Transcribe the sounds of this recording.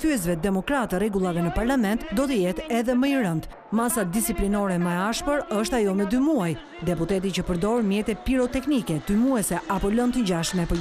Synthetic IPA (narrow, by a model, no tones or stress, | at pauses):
θyɛs̬vɛd̪ɛmɔkɾat̪əɾɛɡulˠavɛnəpaɾlamɛnt̪d̪ɔt̪əjɛt̪ɛðɛməiɾənt̪ | masad̪isiplinɔɾɛməɛaʃpəɾəʃt̪ajɔməd̪ymuaj | d̪ɛput̪ɛt̪̬it͡ɕəpəɾd̪ɔɾmjɛt̪ɛpiɾɔt̪ɛknikɛd̪̥ymuɛsɛʔapɔlɔnt̪əɟaʃt̪mɛpə